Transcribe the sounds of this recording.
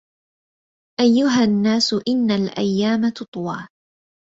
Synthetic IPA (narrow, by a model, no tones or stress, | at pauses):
ʔajːʊɦanːaːsʊʔɪnːalʔa̰jːaːmat̪ʊt̪ˤwɑː